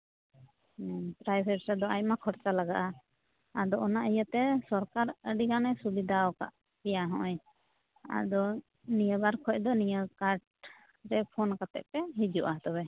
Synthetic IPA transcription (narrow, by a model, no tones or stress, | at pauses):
pɾajbʱɛsɾɛd̪ɔajmakʰɔɾt͡ʃalaɡa̰ʔaː | d̪ɔʔɔnaʔijət̪ɛsɔɾkaɾəɖikanɛsubid̪ʱaɔka̰ʔ | p̪ɛjaɦɔ̃ʔɔj | a̰d̪ɔ | nijəbaɾkʰɔc̚d̪ɔnijəkaɾʈ̚ | ɾɛpʰɔnkat̪ɛ̰ʔ̚pɛɦid͡ʒuʔat̪ɔβɛ